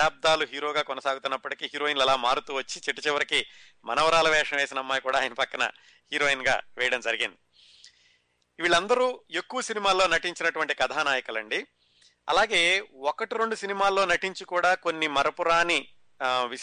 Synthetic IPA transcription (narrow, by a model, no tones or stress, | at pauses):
aːb̚d̪aːluɦiːɾo̞ːɡaːkɔnɐsaːɡut̪unːɐpːɐʈikiːɦiːɾo̞ːinlɛlaːmaːɽut̪uːʋɐt͡ʃːit͡ʃiʈːɐt͡ʃɛʋɐɾiki | mɐ̰nɐʋɐɾaːlɐʋɛːʂɐnɐʋe̞ːsinɐmːaːjkuːɽaːjɐnɐpɐkːɐnɐ̰ | hiːɾoːinɡa̰ːʋɛːjɐɽɐmd͡ʒɐɾiɡind̪i | iʋiɭːɐnd̪ɐɾuːe̞kːuʋɐsinimaːlːo̞ːnɐʈiɲt͡ʃinɐʈuʋɐɳʈikɐt̪ʰaːnaːjɐkulɐɳɖi | ɐ̰laːɡe̞ːɔkɐʈiɾoɳɖusinimaːlːo̞ːnɐʈiɲt͡ʃikuːɽaːko̞nːimɐɾɐpuɾaːni | ʋi